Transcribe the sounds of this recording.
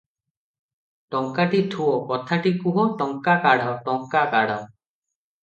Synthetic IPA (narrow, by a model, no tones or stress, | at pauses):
ʈɔŋkaʈit̪ʰuɔkɔt̪ʰaʈikuɦɔ̃ʈɔŋkakaɽɔʈɔŋkakaɽaw